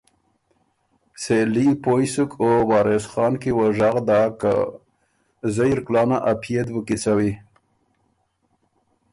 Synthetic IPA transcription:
selipojsʊkʰowɑːɾesxɑnkiwəʐaɣd̪aka̰ | zəjɾklɑnaʔapʰjed̪bəkit͡sawi

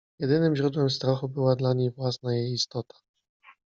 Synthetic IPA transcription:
jɛd̪ɘnɘmʑɾud̪wɛmst̪ɾaxubɘwad̪laɲejvwasnajejist̪ɔt̪ḁ

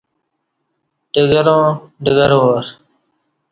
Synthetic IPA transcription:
ɖəɡəɾõːɖəɡəɾoːɾ

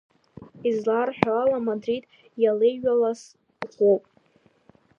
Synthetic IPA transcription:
izlarħʷᶣaalamadrid | jalejɥalas | χʷopʼ

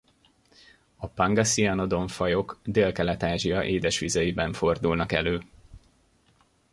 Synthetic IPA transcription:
ɒpɒŋɡɒsiɒno̞d̪o̞ɱfɒjo̞kd̪eːlkɛlɛt̪aːʒijɒʔeːd̪ɛʃʋizɛjibɛɱfo̞rd̪ulnɒkɛ̰løː

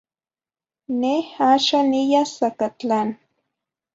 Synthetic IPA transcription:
nehaʃanijasakat͡ɬan

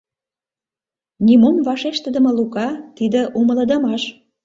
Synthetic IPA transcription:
nʲimomvɑʃeʃt̪ə̆d̪ə̆mə̆lukɑt̪id̪ə̆ʔumə̆ləd̪ə̆mɑʃ

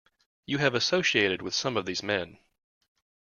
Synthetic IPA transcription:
jɨɨvɨsoʊʃieɪɾɨd̚wɨð̥sʌ̃mʌvðizmɛ̃n

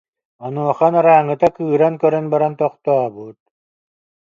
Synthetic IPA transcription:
ɔnuɔχanaɾaːŋːɯt̪akɯːɾankœɾœnbaɾant̪ɔqt̪ɔbut̪̚

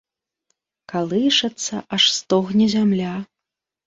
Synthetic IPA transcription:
kalˠɨʂɐt̪sːɐʔaʂst̪ɔɣnʲizʲamlʲa

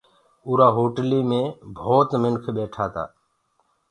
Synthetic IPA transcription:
ʊːɾaːɦoːʈliːmẽːbʱoːt̪mɪnkʰɓeːʈʰaːt̪a̰ː

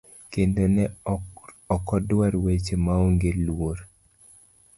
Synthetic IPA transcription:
kendonɛ | ɔkɔdwaɾwet͡ʃemaoŋɡelwoɾ

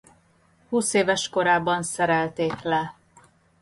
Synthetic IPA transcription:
huːseːvɛʃko̞ɾaːbɒnsɛɾɛlt̪eːklɛ

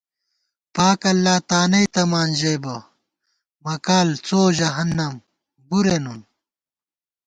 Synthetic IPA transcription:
paːkɐlːaːt̪aːnɐjt̪ɐmaːnʑɐjbɐ | mɐkaːlt͡soːʑɐɦɐnːɐm | buɾenun

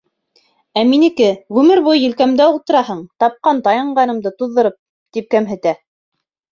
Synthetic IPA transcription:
æminɘ̆kɘʁʉmɘɾβujːɘ̆lkæmd̪æulˠt̪ɤ̆ɾɑɦɤɴt̪ɑp̚qɑnt̪ɑjɑɴɢɑnɤ̆md̪ɤt̪uðːɤ̆ɾɤp̚ | t̪ip̚kæmɦɘ̆t̪æ

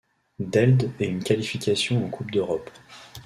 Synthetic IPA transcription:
d̪ɛld̪ɛynkʲalifikʲasjɔ̃okʰupd̪øʁɔp

